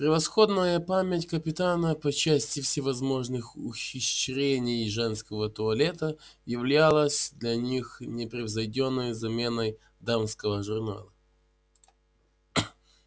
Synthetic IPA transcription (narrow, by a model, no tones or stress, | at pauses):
pɾʲɪvɐsxo̞d̪nəjəpamʲɪtʲkəpʲɪt̪anəpɐt͡ɕæsʲtʲɪfsʲɪvɐzmo̞ʐnɨxʊxʲɪɕɾʲenʲɪjʐɛnskəvət̪ʊɐlʲe̞t̪əjɪvlʲalˠəsʲd̪lʲɐnʲixnʲɪpɾʲɪvzɐjdʲonːəjzɐmʲe̞nəj | d̪amskəvəʐʊrna̰lˠə